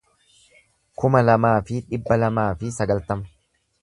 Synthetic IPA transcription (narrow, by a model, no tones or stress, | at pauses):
kʊmɐlɐmaːfɪᶑɪbːɐlɐmaːfɪsɐɡɐlt̪ɐmɐ̥